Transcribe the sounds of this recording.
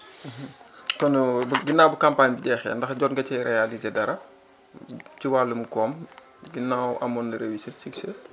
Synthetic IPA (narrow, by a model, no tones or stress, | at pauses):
kɔnbɡinːaːwbukampaːɲbiɟɛːxɛ̰ːndɐxɟɔːnɡɐcɛɾɛjalizedɐɾɐ | ciwaːlumkɔːm | ɡinːawʔɐmɔnːəɾewisisikse